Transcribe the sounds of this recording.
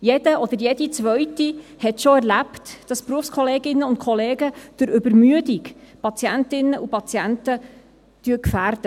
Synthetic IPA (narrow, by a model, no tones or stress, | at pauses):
jɛd̥əʔɔd̥̪əɾjɛdit͡sʋœɥtihɛtʃɔæɾlæptd̥ɑspɾuəfskχɔleːɡɪnːəʊnt̚kʰɔleːɡəd̥ʊɾʔʏbəɾmyədikpɑt͡sjæntɪnːəʔupɑt͡sjæntə | d̥yəkfæːrd̥ə